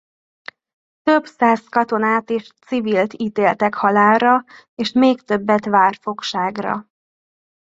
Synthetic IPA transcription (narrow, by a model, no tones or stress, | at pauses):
t̪ø̞bsaːskɒt̪o̞naːt̪eːʃt̪siviːlt̪iːt̪eːlt̪ɛkhɒlaːlrɒ | eːʃmeːkt̪ø̞bːɛt̪ʋaːrfo̞kʃaːɡrɒ̰